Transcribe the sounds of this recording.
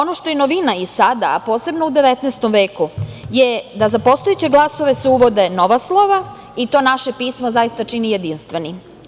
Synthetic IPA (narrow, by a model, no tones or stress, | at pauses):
o̞noʃt̪ojenoʋinaisad̪a̰a̰po̞ːse̞bnoud̪eʋet̪nest̪omʋe̞ːkujed̪azapo̞st̪ojet͡ɕe̞ɡlˠaso̞ʋe̞seuʋo̞d̪eno̞ʋaslˠoʋa | it̪o̞ːnaʃe̞piːsmozajist̪at͡ʃinijed̪inst̪ʋeni